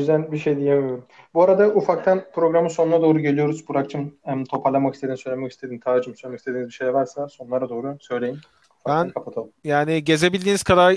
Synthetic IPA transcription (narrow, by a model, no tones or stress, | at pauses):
zd̪ænbiʃejd̪ijemijoɾum | buaɾad̪aʔufak̚t̪ʰanpʰɾo̞ɡɾamɯso̞nunad̪oːɾuɟelʲijo̞ɾuzbuɾakt͡ʃʰɯmt̪ʰo̞pʰaɾlˠamakʰist̪ʰeimsøjlʲemɛkist̪ed̪imt̪ʰad͡ʒɯmsøjlʲemekist̪ʰeinizbiʃejɛvaɾsaso̞nulˠaɾad̪o̞ːɾusø̞jlʲe̞jim | fabækʰapʰat̪ʰalˠɯmmjaːniɟe̞zebilʲd̪iːniz̥kʰad̪aɾ